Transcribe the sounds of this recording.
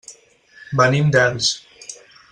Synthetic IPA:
banimd̪ɛls

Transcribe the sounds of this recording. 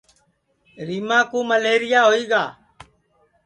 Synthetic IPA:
ɾiːmãːkuːməleːɾɪjaːɦoːiːɡaː

